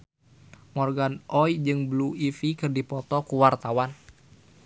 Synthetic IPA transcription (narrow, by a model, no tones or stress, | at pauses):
mɔrɡanʔɔjd͡ʒɨŋbluifikɨrdipɔt̪ɔkuwart̪awan